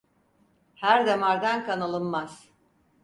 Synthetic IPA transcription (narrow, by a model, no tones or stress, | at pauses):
hæɾd̪emaɾd̪ankʰanalˠɯnmaz̥